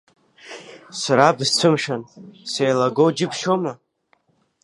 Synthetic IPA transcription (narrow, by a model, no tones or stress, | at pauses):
saɾabzt͡sʷʰɨmʂansejlaɡowd͡ʒɪpʰʃoma